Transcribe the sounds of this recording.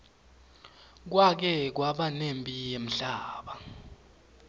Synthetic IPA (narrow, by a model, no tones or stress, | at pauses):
k̬wak̬ɛk̬waɓanempʼijem̩ɬaːɓa